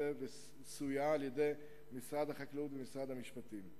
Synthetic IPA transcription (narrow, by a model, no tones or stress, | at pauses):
eve | sujaːljed̪e̞j | misʁad̪haχaklut̪vemisʁad̪hamiʃpat̪im